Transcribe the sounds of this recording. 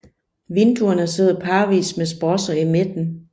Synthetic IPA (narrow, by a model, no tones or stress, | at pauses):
ʋend̥uɐnəse̝ð̰ˠɐpʰɑ̈ːʋḭːsmesb̥ɒsɐimed̥n̩